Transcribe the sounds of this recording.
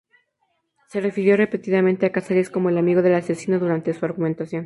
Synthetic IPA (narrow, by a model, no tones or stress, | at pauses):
se̞re̞fiɾjo̞re̞pe̞t̪iðamẽnt̪e̞akasaɾesko̞mo̞elamiɣo̞ðe̞lase̞sino̞ðuɾant̪e̞suaɾɣument̪asjo̞n